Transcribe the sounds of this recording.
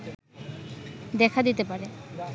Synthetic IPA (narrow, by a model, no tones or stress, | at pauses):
d̪ɛkʰad̪it̪epaɾe